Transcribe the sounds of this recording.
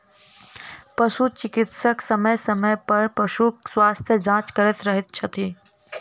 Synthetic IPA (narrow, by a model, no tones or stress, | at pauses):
pɐʃut͡ʃɪkɪt̪səksɐməjsɐməjpɐɾpɐʃuswaːst̪ʰjəd͡ʒãːt͡ʃkɐɾət̪ɾɐɦɪt̪̚t͡ʃʰɐt̪ʰiː